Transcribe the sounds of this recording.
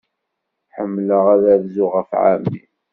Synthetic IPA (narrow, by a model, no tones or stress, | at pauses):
ħəmːləʁæðævzʊʁəfʕa̰mḭ